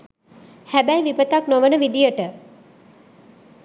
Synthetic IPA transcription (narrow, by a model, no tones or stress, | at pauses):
hæbæjʋipət̪aknoʋənəʋid̪ijəʈə